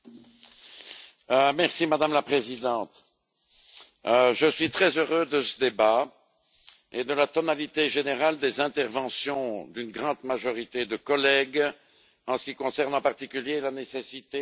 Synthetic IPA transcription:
mɛʁsimad̪amlapχezid̪ɑ̃t̪ | ʒəsɥit̪χɛzøʁød̪əsəd̪eba | ed̪əlat̪ɔnalit̪eʒeneʁald̪ezɛ̃t̪ɛʁvɑ̃sjɔ̃d̪ynɡʁɑ̃d̪maʒɔʁit̪ed̪əkɔlɛɡ | ɑ̃sə̥kʲikɔ̃sɛʁnɑ̃paʁt̪ikʲyljelanesesit̪e

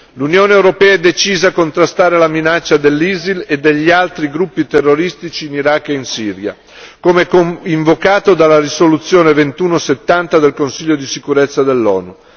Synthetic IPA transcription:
lunjoːneewɾopɛːɛd̪et͡ʃiːzakont̪ɾast̪aːɾelaminat͡ʃːad̪elːiziled̪ːeʎːialt̪ɾiɡɾupːit̪erːoɾist̪it͡ʃiːniɾakːeinsiːɾja̰ | komeɛkoiɱvokaːt̪od̪alaɾisolut̪sːjoːnevent̪uːnoset̪ːant̪ad̪elkonsiʎːod̪isikuɾet̪sːad̪elːɔ̰ːnu

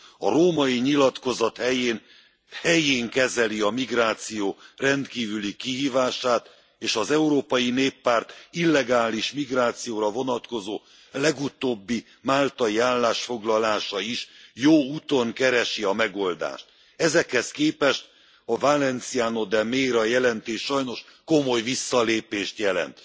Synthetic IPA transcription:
ɒ̰ɾoːmɒiɲilɒt̪ko̞zɒt̪hɛjeːn | hɛjeːŋkɛzɛliɒmiɡraːt̪sijoːrɛnt̪kiːvylikiɦiːvaːʃaːt̪ | eːʃɒzɛuɾoːpɒjineːpːaːrt̪ilːɛɡaːliʃmiɡraːt̪sijoːɾɒvo̞nɒt̪ko̞zoː | lɛɡut̪oːbːi | maːlt̪ɒjiaːlːaːʃfo̞ɡlɒlaːʃɒiʃjoːuːt̪o̞ŋkɛɾɛʃiɒmɛɡo̞ld̪a̰ːʃt̪̚ | ɛzɛkhɛskeːpɛʃt̪ | ɒvalɛnt̪siaːno̞d̪ɛmeːɾɒjɛlɛnt̪eːʃɒjno̞ʃko̞mo̞jvisːɒleːpeːʃt̪jɛlɛ̰nt̪

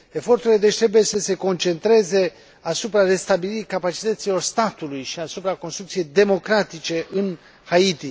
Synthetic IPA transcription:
e̞fo̞rt̪uɾiled̪et͡ʃʲt̪ɾe̞buje̞səse̞ko̞nt͡ʃe̞nt̪ɾe̞ze̞ | asupɾare̞st̪abiliɾikapat͡ʃi̥t̪ət̪silo̞rst̪at̪ulujʃiasupɾako̞nst̪ɾuk̚t̪sije̞jd̪e̞mo̞kɾat̪it͡ʃe̞ʔɨn | hait̪i

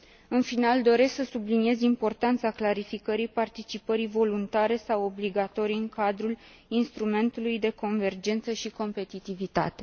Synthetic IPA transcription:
ɨnfinald̪o̞ɾe̞sksəsublinie̞zimpo̞rt̪ant̪saklaɾifikəɾijpart̪it͡ʃipəɾivo̞lunt̪aɾe̞sawobliɡat̪o̞ɾijɨŋkad̪ɾul | inst̪ɾume̞nt̪ulujd̪e̞ko̞nve̞rd͡ʒe̞nt̪səʃiko̞mpe̞t̪it̪ivit̪a̰t̪e̞̥

